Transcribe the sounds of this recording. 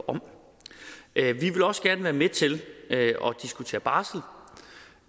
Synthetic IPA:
ɒ̽m | ʋiʋe̝lɒ̽sɡ̥æɐnəʋæːɐmet͡sʰe̝løɒ̽d̥isɡ̥ut͡sʰe̝̰ːɐb̥ɑ̈ːsl̩

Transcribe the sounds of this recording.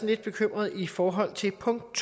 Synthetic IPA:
n̩le̝d̥̚b̥e̝kʰøm̰ʁɐðˠifɒːɦɒ̽l̰t͡sʰe̝lpʰɔ̽ŋd̥̚t͡sʰ

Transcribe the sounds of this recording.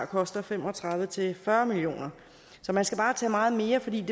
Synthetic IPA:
kʰɒ̽sd̥ɐfemɒ̽t͡sʰʁɑ̈ð̞ˠʋət͡sʰe̝fɶɐmilio̝̰ːnɐ | sɒ̽mænsɡ̥æb̥ɑ̈ːt͡sʰɛ̰ːmɑ̈ːð̞̩ˠme̝ːɐfɒ̽d̥ḭːd̥e̝

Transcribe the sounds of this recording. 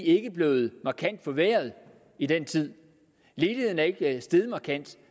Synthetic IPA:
e̝ɡ̥əb̥le̝ːð̞̩ˠmɑ̈kʰæn̰d̥fɒ̽ʋeɐð̞ˠ | id̥ent͡sʰið̞̰ˠ | le̝ːle̝ð̰ˠn̩æɐe̝ɡ̥sd̥eðˠmɑ̈kʰæn̰d̥

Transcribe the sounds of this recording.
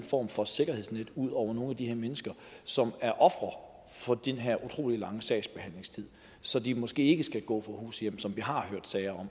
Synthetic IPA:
nfɒ̰ːmfɒ̽se̝ɡ̥ɐheð̰ˠsned̥uð̞̰ˠɒʊ̰ɐno̝ːn̩æd̥iheɐ̰menəsɡ̥ɐ | sɒ̽mæɐʔɒ̽fʁɐ | fɒ̽d̥enɦeɐ̰ʔut͡sʰʁo̝̰ːlilɑ̈ŋəsɛ̰ːɪsb̥e̝hæn̰le̝ŋst͡sʰið̞̰ˠ | sɒ̽d̥imɒ̽sɡ̥e̝̰ːe̝ɡ̥əsɡ̥æɡ̥ɔ̰̽ːfɒ̽hṵːsəjem̰sɒ̽mʋiɦɑ̈høɐ̰d̥sɛɪɐɒ̽m̰

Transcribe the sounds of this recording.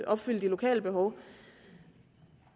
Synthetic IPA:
ʔɒ̽b̥fyl̰d̥ilo̝kʰɛ̰ːləb̥e̝ɦɒ̽ʊ

